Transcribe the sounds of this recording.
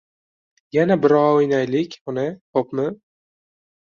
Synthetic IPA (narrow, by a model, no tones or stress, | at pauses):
janabɪɾɒojnajlɪkʲʊnɪt̪ʰopmɪ